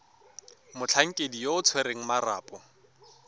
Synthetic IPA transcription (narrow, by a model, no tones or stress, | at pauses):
mʊt͡ɬʰaŋ̩kʼedijoʊt͡sʰwɛɾeŋ̩mara̰ːpʼɔ